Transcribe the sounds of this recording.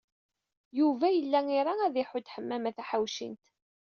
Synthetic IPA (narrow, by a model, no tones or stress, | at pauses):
juvæjəlːæŋiɾˤaæðiħʊd̪ħəmːæmæθæħawʃḭnt̪